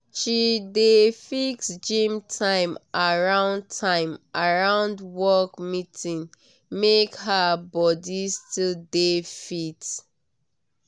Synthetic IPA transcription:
ʃidefiksd͡ʒĩmtʰãɪ̃mʔaɹãʊ̃ntʰãɪ̃mʔaɹãʊ̃ndwɔkmitʰĩn | mekɦabɔdistildefit

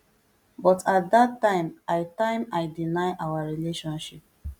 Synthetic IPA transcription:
bɔtat̚datːãɪ̃maɪtãɪ̃maɪdinaɪʔawaɹileʃɔ̃nʃip̚

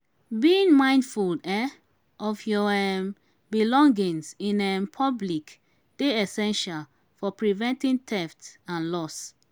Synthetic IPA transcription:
biĩŋmãɪ̃ndfuldɛ | ɔfjɔɛm | bilɔ̃ŋɡĩŋsĩnɛnpʰɔblik | d̥eɛsɛ̃nʃal | fɔpɹivɛ̃ntĩntʰɛftãnlɔs

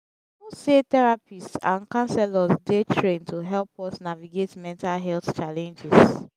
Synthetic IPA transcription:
usetɛɹapistsãnkãnsɛlɔsdetʰɹẽntuɦɛlpɔsnaviɡetmɛ̃ntalɦɛlθt͡ʃalɛ̃nd͡ʒɛs

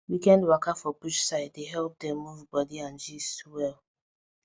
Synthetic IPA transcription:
wikɛ̃ndwakafɔpuʃsaɪd̚deɦɛlp̚dɛ̃mːuvbɔdiãnd͡ʒiswɛl

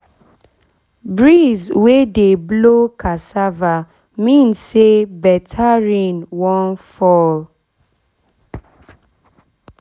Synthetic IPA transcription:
bɹizwedeblokʰasava | mĩnsebɛtʰaɹĩnwɔ̃nfɔl

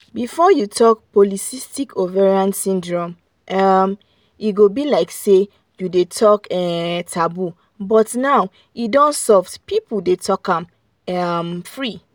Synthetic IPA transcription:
bifɔjutʰɔk̚pɔlisistikʰovɛɹãnsĩndɹɔ̃m | am | iɡobilaɪkse | judetʰɔkɛtʰabu | bɔtnaʊ | idɔ̃nsɔfdpipl̩detʰɔkãm | amfɹi

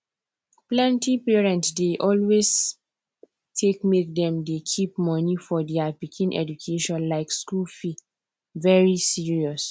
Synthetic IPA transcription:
plɛ̃ntipɛɹɛ̃ntsdeʔɔlwez | tʰekmek̚dɛ̃mdekʰip̚mɔnifɔdɛapikʰĩnʔɛ̰d͡ʒukʰeʃɔ̃nlaɪkskulfi | vɛɹisiɹiɔs

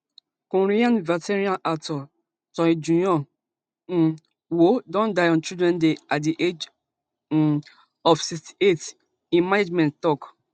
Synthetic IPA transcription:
koɾiãnvateɾiãnʔatɔ | tɔ̃ed͡ʒũjɔ | n̩ | wodɔ̃ndajɔ̃nt͡ʃidɾɛ̃ndeat̚diʔed͡ʒ | ɔfsisti̥et | ĩmaned͡ʒmɛ̃nttɔk

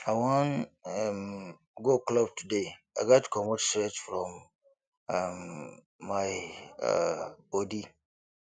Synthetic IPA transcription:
awɔ̃nɛm | ɡoklɔb̚tudeaɡatkʰɔ̃mɔtstɾɛt͡ʃfɾɔ̃m | amː | aɪ̰ | b̥ɔdi

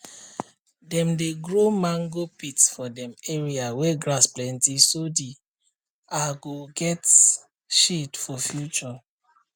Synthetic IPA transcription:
dɛ̃mdeɡɹomãŋɡopitsfɔdɛ̃meɹiawɛɡɾasplɛ̃ntisodi | aɡoɡɛt | ʃetfɔfjut͡ʃɔ

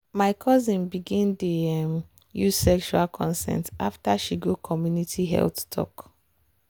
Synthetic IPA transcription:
maɪkʰɔzĩnbiɡĩndem | juzsɛkʃualkʰɔ̃nsɛ̰̃ntaftaʃiɡokʰɔmjunitʰiɦɛ̰lθtʰɔ̰k

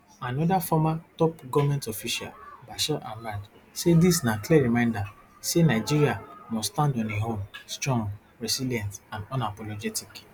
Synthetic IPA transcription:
anɔdafɔmatɔpɡɔvmɛ̃ntɔfiʃa̰lbaʃɛʔãnmãd | sedisnãklɛɹimãɪ̃nda | senaɪd͡ʒiɾiamɔstãndɔ̃neɦõmstɹɔ̃ŋɡ | ɹɛsilijɛ̃ntãndɔ̃napɔlɔd͡ʒɛtik

